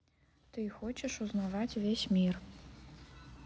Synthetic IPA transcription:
t̪ɨxɔt͡ɕɛʂuznavat͡sʲvʲesʲmʲir

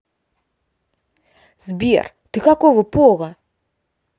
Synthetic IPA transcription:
zbʲḛr | t̪ɨkakovəpoɣə

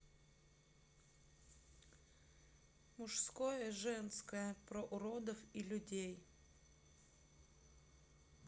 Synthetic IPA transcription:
mʊʂskojəʐɛnskəjəpɾəʔʊɾod̪əfilʲʊdʲej

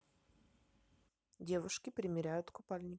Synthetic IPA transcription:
dʲe̞vʊʂkʲɪpɾʲɪmʲɪɾʲæjʊt̪kʊpalʲnʲɪ

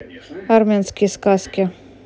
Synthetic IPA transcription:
aɾmenskiskaske

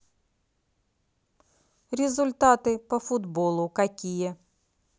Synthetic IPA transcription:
ɾʲezʊlʲt̪ɑt̪ɪpɐfʊd̪bɔlˠʊkɐkʲijɛ

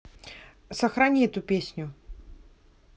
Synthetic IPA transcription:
sɐxɾanʲiɛt̪ʊpʲesʲnʲʊ

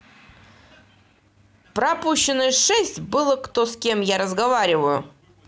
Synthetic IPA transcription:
prɐpuɕːɪnːɨjʂɛsʲtʲbɨlˠəkt̪oskʲemjaɾəzɡɐvaɾʲɪvəjʊ

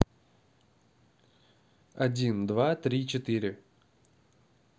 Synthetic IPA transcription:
ɐdʲind̪vat̪ɾʲit͡ɕɪt̪ɨɾʲɪ

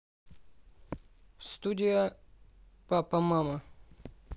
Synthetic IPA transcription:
st̪udʲɪjə | papɐmamɐ

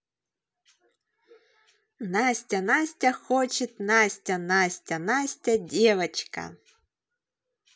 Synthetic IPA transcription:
nasʲtʲanasʲtʲɐxot͡ɕɪt̪nasʲtʲɐnasʲtʲɐnasʲtʲɐdʲevɐt͡ɕkɐ̰

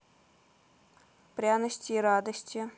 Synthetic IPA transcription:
pɾʲanəsʲtʲɪːɾad̪əsʲtʲɪ

